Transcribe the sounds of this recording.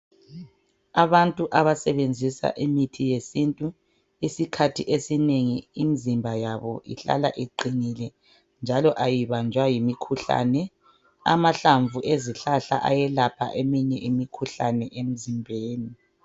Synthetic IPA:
aβantʼuʔaβasɛβend͡zʱisa̰ʔimitʰijesintʼu | isikʰatʰiʔesineŋiimizimbʱajaβɔḭɬa̰la̰ʔiǃinilɛ | nd͡ʒʱalɔʔajiβand͡ʒʱwajimikʰuɬa̰ːnɛ | a̰maɬaɱvʱuʔeziɬaɬa̰ʔa̰jɛlapʰa̰ʔemiɲɛʔimikʰuɬanɛʔem̩zimbʱeːni

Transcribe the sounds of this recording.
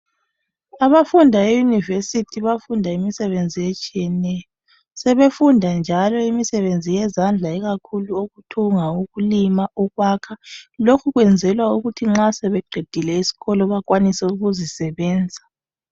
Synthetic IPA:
aβafundʱaejunivesitʰiβafundʱaimisɛβend͡zʱijet͡ʃʼijɛnɛjɔ | sɛβefundʱand͡ʒʱalɔimisɛβend͡zʱijɛzand͡ɮʱaiɣakʰuluoɣutʰuŋauɣulimaɔɣwakʰalokʰuɣwɛnd͡zʱɛlwauɣutʰiŋ͡ǁasɛβɛɡ͡ǃʱid̥ʱilɛisi̥ɣɔlɔβakwanisɛuɣuzisɛβɛːnd͡zʱa

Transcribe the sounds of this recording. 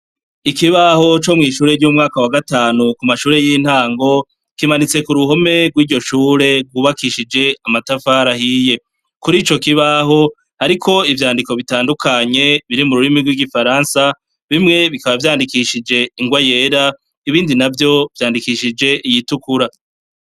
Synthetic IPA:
ikiβaho̞t͡ʃo̞mŋiːʃuːɾe̞ɾɟuːmŋaːkawaɡataːnukumaʃuːɾe̞jin̥haːŋɡo̞ | kimanit͡se̞kuɾuho̞me̞ɡwiːɟo̞ʃuːɾe̞ɡɡwuβakiʃid͡ʒe̞amatafaːɾahije̞ | kuɾiːt͡ʃo̞kiβaɦo̞ | haɾikʰo̞ivjaːndiko̞βitaːndukʰaɲe̞βiɾimuɾuɾimiɡwiɡifaɾaːnsa | βimŋe̞βikaβavjaːndikiʃid͡ʒe̞iŋɡwaje̞ːɾa | iβiːndinavjo̞v̥jaːndikiʃid͡ʒe̞ʔijitukuɾa

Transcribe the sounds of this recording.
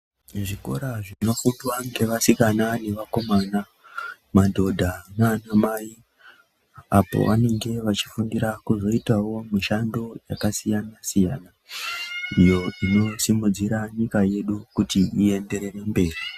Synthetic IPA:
ʐiko̞̰ɾaʐino̞futwaŋɡe̞ʋasikanane̞ʋako̞mana | madʱo̞dʱaŋanamai | a̰po̞̰ʋane̞ŋɡe̞ʋat͡ʃi̥fundiɾakuzo̞itawo̞miʃando̞ja̰kasijanasija̰na | ijo̞ino̞simud͡ziɾaɲikaje̞ɗukutiie̞nde̞ɾe̞rembe̞ːri

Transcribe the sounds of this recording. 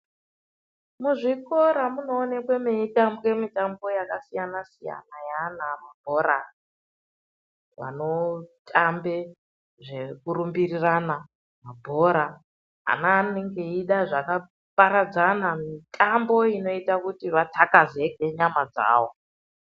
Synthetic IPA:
muʐikoɾamuno̞ːnekwemiitambemitambo̞jakasijanasija̰najanamab̥ʱo̞ɾa | ʋa̰no̞tʰʼambe | ʐekurumbirirana | mabʱo̞ɾa | a̰naneŋɡe̞iɗaʐaka | pʼaɾad͡zanamitʼambo̞ino̞itakutiʋatʰakazeɡʱeɲamad͡za̰ːwo

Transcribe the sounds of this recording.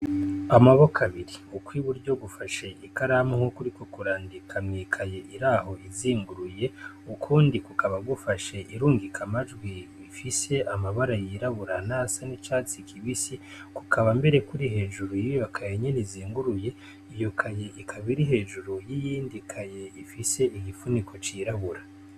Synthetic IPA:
amaβo̞kʰaβiɾiukwiβuɾɟo̞ɡufaʃeʔikaɾamuhukuɾikokuɾaːndikʰamŋiːkʰaje̞ʔiɾaːho̞ʔiziːŋɡuɾuje̞ | ukʰuːndikukʰaβaɡufaʃe̞ʔiɾuːŋɡikʰamaʒɡwi | ifise̞ʔamaβaɾajiɾaβuɾanasanit͡ʃaːt͡sikʰiβisi | ku̥kaβambe̞ɾe̞kuɾiɦe̞ːʒuɾujijokʰajeɲeniziːŋɡuɾuje̞ | ijo̞kʰaje̞ʔikʰaβiɾiɦe̞ːʒuɾujijiːndikʰaje̞ifise̞ʔiɡifunikʰo̞t͡ʃiːɾaβuɾa

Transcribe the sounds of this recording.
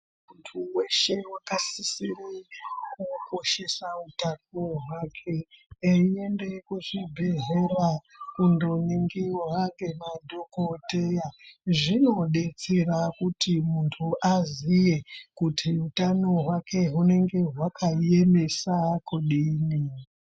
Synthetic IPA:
muntʰuwe̞ʃe̞wakasisirikuko̞ʃe̞sautanoɦwakʰe̞eie̞nde̞kuʐibʱeɦera | kundoniŋɡiwaɡe̞madʱokote̞jaʐino̞ɗe̞t͡serakutʰimuntʰuʔazije̞kutʰiutanoɦwakʰe̞ɦune̞ŋɡe̞ɦwakʰajeme̞sakuɗiːni

